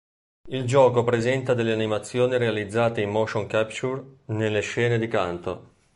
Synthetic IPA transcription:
ild͡ʒɔːkopɾezɛnt̪ad̪elːeanimat̪sːjoːniɾealid̪zːaːt̪eimːoʃoŋkapt͡ʃurnelːeʃːɛːned̪ikant̪o̰

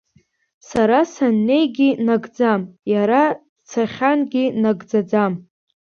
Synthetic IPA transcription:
saɾasanːe̞jɡʲinaɡd͡zamjaɾa | t͡sʰaχʲanɡʲinaɡd͡zad͡zam

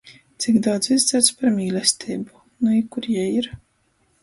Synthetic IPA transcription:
t̪sikd̪awt̪sizd̪zɛɾt̪spaɾmʲiːlʲɛsʲt̪ʲʰiːbu | nuikːuɾjɛjiɾ

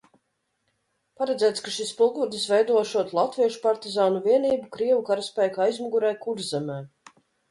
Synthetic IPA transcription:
paɾɛd̪zʲæːt̪skaʃispulˠɡuɔt̪isvɛjd̪uɔʃuɔt̪lˠat̪viɛʃu̥paɾt̪izaːnuviɛniːbukɾiɛvukaɾaspʲæjkajzmuɡuɾɛːkuɾzzɛmɛː

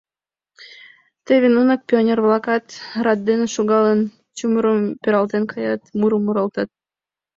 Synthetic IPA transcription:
t̪eβʲenunɑk̚pʲionʲervlˠɑkɑt̪rɑd̪ːeneʃuɣɑlən | t͡ɕumuɾəmpʲeɾɑlt̪enkʰɑjɑt̪muɾəmːuɾɑlt̪ɑt̪̚

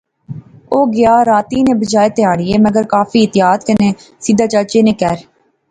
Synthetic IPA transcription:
oːɡɪjaːɾaːt̪iːnẽːbəd͡ʒaːet̪ɪjaːɽɪeːməɡəɾkaːfʰiːɪt̪ɪjaːt̪kəneːsiːd̪aːt͡ʃaːt͡ʃeːnẽːkɛːɾ

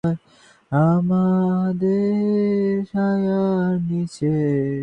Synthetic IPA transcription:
ɾ | amad̪e | ɾʃajanit͡ɕʰe

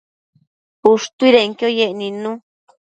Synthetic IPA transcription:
uʂt̪uiɾeŋkjojeʔnĩnũ

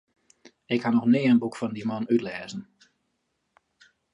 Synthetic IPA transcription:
ɪkhanɔxnɪəənbukfɔndimɔnytlɛːzən

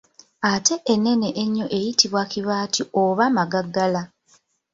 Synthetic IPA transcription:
ate̞ʔenːe̞ne̞ʔeɲːo̞ʔejitiβwakiβaːtʰioβamaɡaɡːala

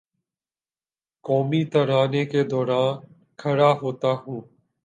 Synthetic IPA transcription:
kɔːmiːt̪əɾaːneːkeːd̪ɔːɾãːn | kʰəɽaːɦoːt̪aːɦũː

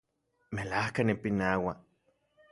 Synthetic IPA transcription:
melahkanipinawa

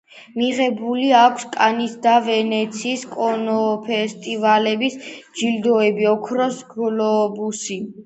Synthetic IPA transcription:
miʁɛbuliakʰskʼanisd̪avɛnɛt̪sʰiːskʼɔnɔpʰɛst̪ʼivalɛbisd͡ʒild̪ɔɛbiɔkʰɾɔsɡlɔbusi

